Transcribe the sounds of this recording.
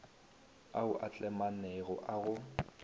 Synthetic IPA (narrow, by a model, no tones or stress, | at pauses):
aʊʔat͡ɬʼɛmanɛɣɔʔaɣʊ